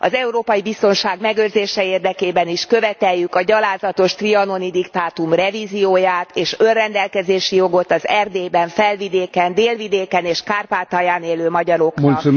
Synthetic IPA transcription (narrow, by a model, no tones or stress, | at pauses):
ɒ̰zɛuɾoːpɒjibist̪o̞nʃaːɡmɛɡørzeːʃɛeːrd̪ɛkeːbɛniʃkøvɛt̪ɛjːykɒɟɒlaːzɒt̪o̞ʃt̪riɒno̞nid̪ikt̪aːt̪umrɛviːzijoːjaːt̪eːʃønrɛnd̪ɛlkɛzeːʃijo̞ɡo̞t̪ɒzɛrd̪eːbɛɱfɛlvid̪eːkɛnd̪eːlvid̪eːkɛneːʃkaːrpaːt̪ajaːneːløːmɒɟɒɾo̞k